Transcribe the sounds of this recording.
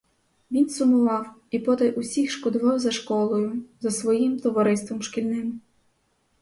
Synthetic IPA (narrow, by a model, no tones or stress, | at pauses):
ʋʲinsʊmʊʋɑwipɔt̪ɐʔʊsʲixʃkɔd̪ʊʋɑwzɐʃkɔlˠɔjʊzɐsʋɔjimt̪ɔʋɐɾɪst̪ʋɔmʃkʲilʲnɪm